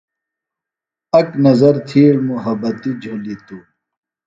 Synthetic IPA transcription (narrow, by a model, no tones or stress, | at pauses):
ɐknɐzɐɾt̪ʰiːɽmuɦɐbɐt̪id͡ʑʱolit̪u